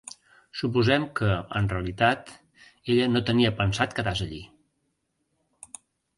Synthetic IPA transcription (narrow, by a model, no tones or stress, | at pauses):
sup̬uzɛmkəənreəlit̪at̪ | eʎənot̪əniəpənsat̪kəðazəʎḭ